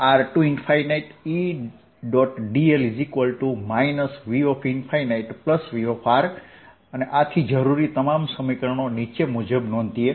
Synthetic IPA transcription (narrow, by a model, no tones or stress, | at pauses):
aɾʈuɪnfʰajnaiʈi | ɖɔʈɖielizikʋəlʈumainəsʋiɔfʰinfʰajnaiʈpləsʋiofʰaɾ | əneʔat̪ʰid͡ʒəɾuɾit̪əmamsəmikəɾəɳ̃onit͡ʃemud͡ʒəbnɔ̃nt̪ie